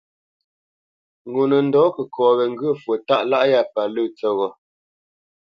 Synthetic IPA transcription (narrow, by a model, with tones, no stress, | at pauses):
ŋɡo˨nə˨n̩˨dɔː˨˦kə˨kʰɔː˨ɣɛ˨ŋ̩˦ɡə˦˨fwə˨ta˦˨ʔla˦ʔja˦˨pa˨lə˦˨t͡sə˦ɣɔ˨